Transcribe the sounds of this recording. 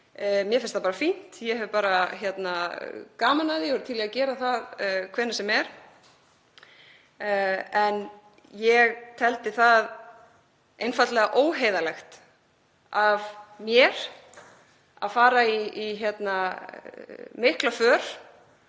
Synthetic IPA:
mjɛfɪnst̪apaːɾafin̥t̪jɛhɛvʏpaːɾaçjɛt̪nakaːmanaðɪjɛhœɾt̪ʰiːlɛɣacɛːɾaθaðkʰvɛːnɪsɛmɛɾ̥ | ɛn | jɛɣt̪ʰɛlt̪ɪθað | ejnfat̪lɛɣaʔoːwɦeːjðalɛxt̪ | avmjɛɾ̥ | a̰ðfaːɾaiːçjɛt̪na | mɪhklafœːɾ̥

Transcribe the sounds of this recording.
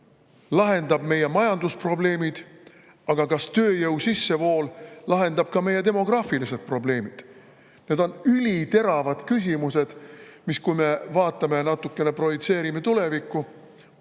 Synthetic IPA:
lɑɦe̞nd̪ɑb̥me̞je̞mɑjɑnd̪uspro̞ble̞ːmid̪̥ | ɑɡ̥ɑkɑst̪ø̞ːjɤwsisːe̞vo̞ːllɑɦe̞nd̪ɑb̥̚kɑme̞jːe̞t̪e̞mo̞ɡ̥rɑːfilise̞d̪̥̚pro̞ble̞ːmid̪̥ | ne̞ːd̪̥o̞nylʲit̪e̞ɾɑvɑd̪̥kys̬ʲimuse̞d̪̥miskujme̞vɑːt̪ːˑɑme̞nɑt̪ːˑukːe̞ne̞pro̞vit̪se̞ːɾime̞t̪ule̞vikːu

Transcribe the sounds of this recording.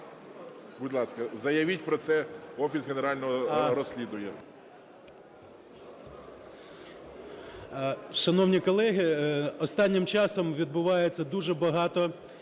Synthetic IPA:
bʊd̪ʲlˠɑskɐzɐjɐʋʲit̚ʲpɾɔt̪sɛɔfʲisɣeneɾɑlʲnɔɦɔɾɔsʲlʲid̪ʊjɛ | ʃɐnɔwnʲikɔlˠɛɦɪɔst̪ɑnʲːɪmt͡ʃɑsɔmʋʲid̪̚bʊʋɑjet͡sʲːɐd̪uʒɛbɐɦɑt̪ɔ

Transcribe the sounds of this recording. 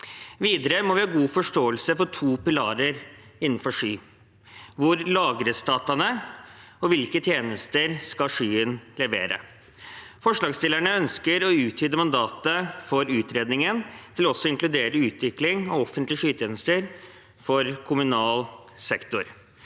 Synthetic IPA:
ʋiːd̪əɾəmɔʋɪhɑːɡuːfɔʂʈoːəlsəfɔʈʰuːpɪlɑːɾəɾɪnn̩fɔʂyː | ʋʊɾlɑːɡɾəst̪ɑːt̪ɑnə | ɔʋɪlkət̪ʰjeːnəst̪əɾskɑʂyːənlɛʋḛːɾə̰ | fɔʂɭɑːɡst̪ɪlæɳəœnskəɾɔʉːt̪ʰyːd̪əmɑnd̪ɑːt̪əfɔɾʉːt̪ɾeːd̪nɪŋənt̪ʰɪlɔɔsːɔɪŋklʉd̪eːɾəʉːt̪ʰʋɪklɪŋɑɔfənt̪lɪʂyːt̪ʰjeːnəst̪əɾ | fɔɾkʰʊmʉnɑːl | sɛkt̪ʊɾ

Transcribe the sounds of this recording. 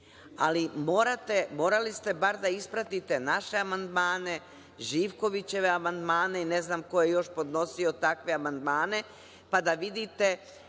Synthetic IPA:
alimoːɾat̪e̞mo̞ːɾalist̪e̞baɾd̪aispɾat̪it̪e̞naʃe̞amand̪maːne̞ | ʒiːʋko̞ʋit͡ɕe̞ʋe̞amand̪maːne̞ine̞znaːmko̞jejo̞ʃpo̞d̪no̞sio̞t̪akʋe̞amand̪maːne̞ | pad̪aʋid̪it̪e̞

